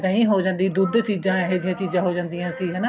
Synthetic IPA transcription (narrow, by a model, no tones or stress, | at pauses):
d̪ãːĩːɦoːd͡ʒãːnd̪ĩːd̪ud̪t͡ʃiːzãːɦed͡ʒɪjãːt͡ʃiːzãːɦoːd͡ʒãːnd̪ijãːsiːɦɛːnaː